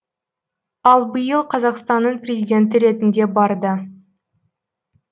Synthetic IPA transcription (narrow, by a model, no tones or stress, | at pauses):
ɑlˠbəjəlˠqʰɑzɑqst̪ɑnːəɴprʲe̞zʲijdʲe̞nt̪̬ɪɾe̞t̪ɪnd̪e̞bɑɾd̪ə